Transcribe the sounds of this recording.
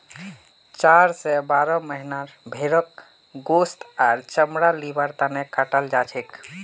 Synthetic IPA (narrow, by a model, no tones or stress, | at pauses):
t͡ʃaɾsɛbaɾɔməɦinaɾbʱeɾək | ɡost̪aɾt͡ʃəmɾalibəɾt̪anekaʈəld͡ʒat͡ʃʰek